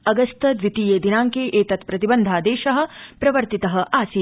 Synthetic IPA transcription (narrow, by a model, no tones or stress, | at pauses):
ɐɡɐst̪ɐd̪ʋit̪iːjeːd̪inaːŋkeːʔeːt̪ɐt̪pɾɐt̪ibɐnd̪ʱaːd̪eːʃɐɦɐ̆pɾɐʋɐɾt̪it̪ɐɦɐ̆ʔaːsiː